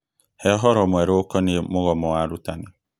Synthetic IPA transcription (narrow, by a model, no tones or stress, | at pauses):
hɛɦɔɾɔmeɾokɔniemʊɣɔmɔaɾutanɪ